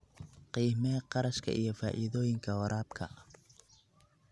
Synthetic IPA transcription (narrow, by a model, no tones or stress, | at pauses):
qiːmɛqɑɾɐʃkʰɐ̰ʔijɞfa̰ːʔḭðɔːjɪŋkʰɐwɔɾʔaːbkʰɐ̰